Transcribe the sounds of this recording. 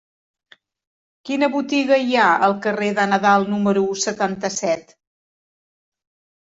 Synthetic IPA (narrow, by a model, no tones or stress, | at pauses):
kinəβut̪iɣəiaəlˠkəreðənəðalˠnuməɾusət̪ant̪əsɛt̪